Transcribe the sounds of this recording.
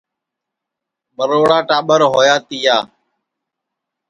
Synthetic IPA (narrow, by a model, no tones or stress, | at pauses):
ɓəɾoːɽaːʈaːɓəɾɦoːjaːt̪ɪjaː